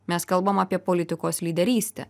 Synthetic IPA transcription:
mʲɛskɐlˠbɐmɐpʲiɛpolʲɪt̪ʲɪkoːslʲiːd̪ʲɛɾʲiːsʲt̪ʲɛ̰

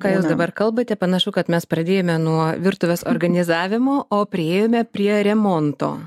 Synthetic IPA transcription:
kɑːjuʊsd̪ɐbɐrkɐlˠbɐt̪ʲɛpɐnɐʃʊkɐt̪mʲɛspɾɐd̪ʲeːjoːmʲɛnuɔʋʲɪrt̪ʊʋʲoːso̰ːɾɡɐnʲɪzɑːʋʲɪmoːʔoːpʲɾʲɪeːjoːmʲɛpʲɾʲiɛɾʲɛmoːnt̪o̰ː

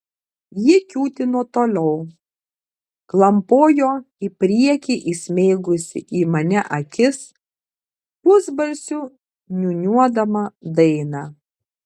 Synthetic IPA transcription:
jɪkʲuːt̪ʲɪnɔt̪oːlʲɛʊ | klˠɐmpoːjoː | ɪpʲɾʲiɛkʲiʔɪsʲmʲeɪɡʊsʲɪ̰ʔiːmɐnʲɛʔɐkʲɪs | ʊzbɐlʲsʲʊ | nʲʊnʲuɔd̪ɐmɐd̪ɐɪnɑ

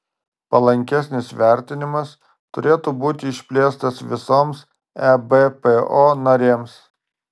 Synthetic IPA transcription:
pɐlˠɐŋʲkʲɛsʲnʲɪsʋʲæˑɾʲt̪ʲɪnʲɪmɐs | t̪ʊɾʲeːt̪uːbuːt̪ʲɪːʃʲpʲlʲeːst̪ɐsʋʲɪsoːms | ɛbepeoːnɐɾʲeːms

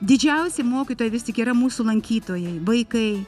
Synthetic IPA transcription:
d̪ʲɪd͡ʒʲɛʊsʲɪmoːkʲit̪oːjɛʋʲɪst̪ʲɪkiːɾɐmuːsulˠɐŋʲkʲiːt̪oːjɛɪʋɐɪkɐɪ

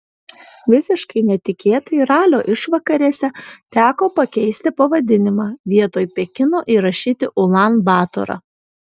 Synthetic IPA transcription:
ʋʲɪsʲɪʃkɐɪnʲɛt̪ʲɪkʲeːt̪oiɾɑːlʲoːʔɪʃʋɐkɐɾʲiɛsʲɛt̪ʲæːkoːpɐkʲɛɪsʲt̪ʲɪpɐʋɐd̪ʲɪnʲɪmɑːʋʲiɛt̪oːjpʲɛkʲɪnoːʔiɾɐʃʲiːt̪ʲɪʔʊlˠɑnbɑːt̪o̰ːɾɐ̰

